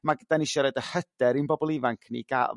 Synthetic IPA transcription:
maɡəd̥anɪʃɔɾədəhəd̥ɛɾinbɔbɔlˠɪvaŋkʰnḭɡ̥a

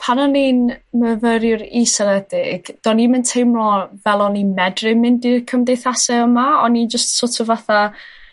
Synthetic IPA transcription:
pʰanɔniːnməvəɾjʊɾisɛlɛdɪɡ̥d̥ɔnimɪntʰejmlɔvɛlˠɔnimɛdrɪmɪndirkʰəmdejθasɛəmaɔnid͡ʒəstsotʰʊvaθa

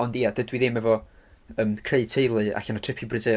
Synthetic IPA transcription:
ɔndiadədwiðɪmɛvɔəːmkʰreɨ̥tʰejlˠɨa̰ɬanɔtʰrɪpʰibrɨde

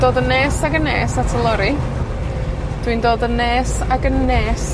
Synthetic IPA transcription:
d̥oːdəneːsaɡənḛːsatʰəlˠɔɾi | d̥windoːdənːeːsaɡənːeːs

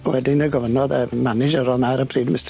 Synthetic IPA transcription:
wɛdɪnəɡɔvənɔðəmanɪd͡ʒəɾɔlˠnaɾəpʰriːdmɪst

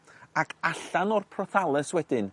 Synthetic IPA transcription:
akʰaɬanɔrpʰrɔθalˠɛswɛdɪn

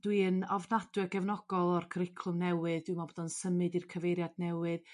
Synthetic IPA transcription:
d̥wiənɔvnad̥wɨɡɛvnɔɡ̥ɔlˠɔrkʰəɾɪkʰlˠʊmnɛwɨðdwimabodɔnsəmɨdirkʰəvejɾjadnɛwɨð

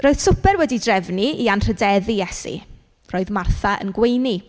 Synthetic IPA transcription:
r̥oːɨð̥sʊpʰɛrwɛdidrɛvniianr̥ədɛðijɛsḭ | roːɨðmarθaʔə̰nɡwejni

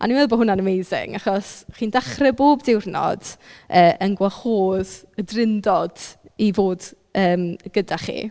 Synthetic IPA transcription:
ʔa̰niwɛðˠbɔhʊnanəmejzɪ̰ŋaχɔsχiːndaχrɛboːbdɪwrnɔ̰d̥əːʔənɡwaχoːð | ədrɪndɔd̥ivoːd | əːmɡ̥ədaχḭ

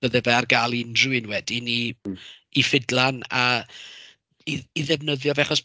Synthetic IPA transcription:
əðɛvɛarɡaːlˠiɪndruɨnwɛdiniː | fɪdlˠana | iiðɛvnəðjɔvɛχɔs

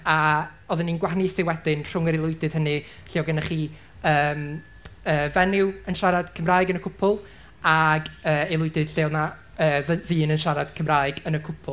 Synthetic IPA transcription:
aoːðɪnːiːnɡwaɦanisɪwɛdɪnr̥ʊŋəɾɪlˠʊɨdɨð̥hənɨ | ɬɪɔwɡənaχiː | əːm | əːvɛnɪwənʃaɾad̥kʰəmraːjɡənəkʰʊpʰʊlˠ | aɡəːelˠʊɨdɪð̥ɬena | əːðiːnənʃaɾad̥kʰəmraːɨɡənəkʰʊpʰʊlˠ

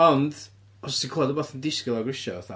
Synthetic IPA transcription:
ɔnd | ɔssikʰɔlˠɔdəboːθəndɪskɪlˠaɡrɪʃɔ̰θa̰

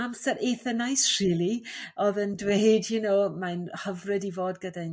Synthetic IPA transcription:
amsəɾʔeθənajsr̥iːlˠiɔðəndwejdjinoːmanhəvrɨdivoːdɡəda

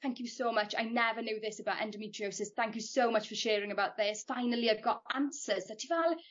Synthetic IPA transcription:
θãŋkjusoʊmʌt͡ʃa̰ɪnɛvənoʊðɪsəbaʔɛ̰̃ndəmitʰɹ̥ioʊsɪz̥θæ̃ŋkjusowmʌt͡ʃfəʃɛːɹɪ̃ŋəbawʔ̚ðɪsfaɪnəlˠiaɪvɡɔtãnsəz̥ðətʰivɛlˠ

